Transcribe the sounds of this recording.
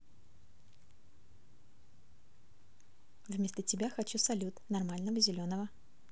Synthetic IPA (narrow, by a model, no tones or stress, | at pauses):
vʲmʲesʲt̪ətʲɪbʲaxɐt͡ɕusɐlʲut̪nɐrmalʲnəvəzʲɪlʲo̞nəvə